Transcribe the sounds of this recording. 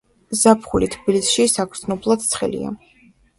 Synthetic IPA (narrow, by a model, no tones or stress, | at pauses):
zapʰχulit̪ʰbilisʃisak̪ʰsʰnɔblˠad̪̥̚t̪sʰχɛ̰lḭa̰